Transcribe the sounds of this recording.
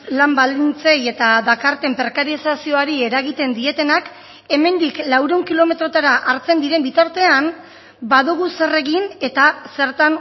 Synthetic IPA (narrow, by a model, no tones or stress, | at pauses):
lambald̪int͡se̞je̞t̪aðakaɾt̪e̞mpe̞ɾkaɾisasio̞aɾie̞ɾaɣit̪e̞nd̪ie̞t̪e̞nak | e̞me̞nd̪iklawɾeuŋkilo̞me̞t̪ɾo̞t̪aɾaʔaɾt͡se̞nd̪iɾe̞mbit̪aɾt̪e̞an | baðuɣ̞use̞re̞ɣine̞t̪ase̞ɾt̪an